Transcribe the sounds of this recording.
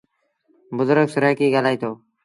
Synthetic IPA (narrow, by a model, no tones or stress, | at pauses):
bʊzʊɾɡsʊɾəːkiːɡaːlaːiːt̪ʰoː